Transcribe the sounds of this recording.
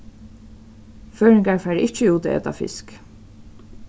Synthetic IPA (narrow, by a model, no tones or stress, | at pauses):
føːɹɪŋkaɹfæːɾɪht͡ʃəuːt̪ɛ̰t̪a̰fɪ̰sk